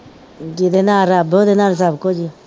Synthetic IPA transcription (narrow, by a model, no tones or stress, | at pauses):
d͡ʒid̪enaɾabod̪enaɾs̬abkod͡ʒi